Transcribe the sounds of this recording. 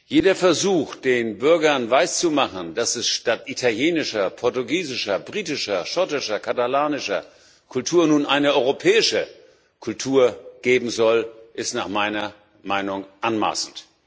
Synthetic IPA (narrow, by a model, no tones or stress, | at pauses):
jeːdɐfɛɐzuːxd̥eːnbʏɐɡɐnvaɪst͡sumaχən̩d̥asɛsʃtatʔitʰaljeːnɪʃɐpʰɔɐtuɡiːzɪʃɐbʁiːtɪʃɐʃɔtɪʃɐkʰatalaːnɪʃɐ̰ | kʰʊltʰuːɐnuːnʔaɪnəɔʏʁopʰɛːɪʃə | kʰʊltʰuːɐɡ̥eːbm̩zɔlʔɪstnaːχmaɪnɐ | maɪnʊŋʔanma̰ːsn̩t